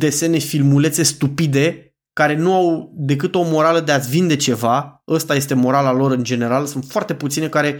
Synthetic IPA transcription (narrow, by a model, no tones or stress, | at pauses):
d̪e̞se̞ne̞filmule̞t̪se̞st̪upid̪e̞ | kaɾe̞nuawd̪e̞kɨt̪o̞mo̞ɾaləd̪e̞at̪sʲvind̪e̞t͡ʃe̞vaəst̪aje̞st̪e̞mo̞ɾalalo̞ɾɨnd͡ʒe̞ne̞ɾalsunt̪foart̪e̞put̪sine̞kaɾe̞